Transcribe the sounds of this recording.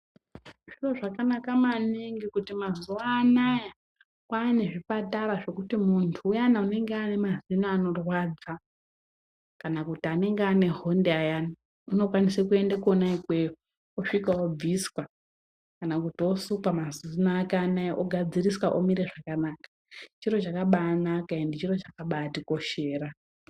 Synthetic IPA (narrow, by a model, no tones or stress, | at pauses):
ʐiro̞ʐakanakamaniŋɡikutimazuaːnaja | kwaːne̞ʐipataɾaʐe̞kutimuntʰuːjanaune̞ŋɡeane̞mazinaːno̞rwad͡za | kanakutiane̞ŋɡeane̞ɦo̞ndeajana | uno̞kwanisekue̞ndakuonaikwejo | oʂikaob͡viswa | kanakutio̞sukwamazinaːkanaiʔoɡʱad͡ziriswaʔomiɾe̞ʐakanakḁ | t͡ʃiro̞t͡ʃakaɓaːnakaendit͡ʃiro̞t͡ʃakaɓaːtiko̞ʃe̞ːra